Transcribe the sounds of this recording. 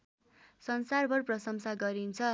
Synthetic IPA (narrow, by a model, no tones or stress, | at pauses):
sʌnsarbʌrprʌsʌmsaɡʌɾint͡sʰʌ